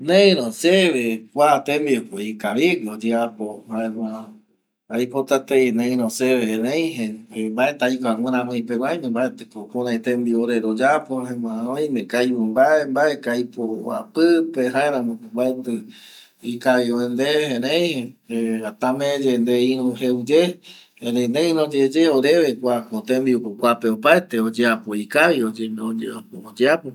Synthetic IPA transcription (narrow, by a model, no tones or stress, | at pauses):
nẽĩɾõseβekʷat̪ẽmbiokoikaβiɡɨod͡ʒeapohaẽmã | ajpot̪at̪einẽĩɾõseβehẽɾẽj̃ɦẽmbaet̪ajkawʷɨ̃ɾãmõĩpeɡwajmẽmbaet̪ekokũɾãit̪ẽmbioɾeɾod͡ʒapohẽmãõj̃mẽkajβɨmbaembaekajpoa̰pɨpeɦãẽɾãmõmbaet̪ɨ | ikaβioend̪ehẽɾẽj̃hẽeat̪amẽd͡ʒend̪eĩɾũɦeud͡ʒe | ẽɾeĩneĩɾõd͡ʒed͡ʒeoɾeβekʷakot̪ẽmd̪iupokʷapeopaet̪eod͡ʒeapoikaβiod͡ʒeoaood͡ʒeapo